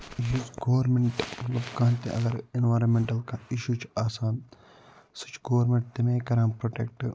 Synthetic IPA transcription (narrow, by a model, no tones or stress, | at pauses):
ɦut͡ʃɡoːʋɐɾmeɳʈlɐbkãːnt̪ḛʔɐ̰ɡɐɾinʋaːɾɐmmeɳʈɐlkaiʃut͡ʃʰaːsaːn | sɨ̥t͡ʃʰɡoːɾmeɳʈ̚t̪emeːkɐɾãːmpɾoːʈḛk̚ʈ